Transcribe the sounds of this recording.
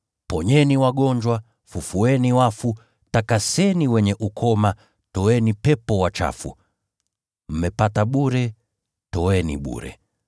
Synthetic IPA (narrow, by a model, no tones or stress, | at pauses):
pɔɲɛniwaɠɔɲd͡ʒwa | fufuɛniwafu | takasɛniwɛɲɛʔukʰɔma | tɔwɛnipɛpɔwat͡ʃa̰fṵ | m̩mɛpataɓuɾɛ | tɔwɛnḭɓṵɾɛ̰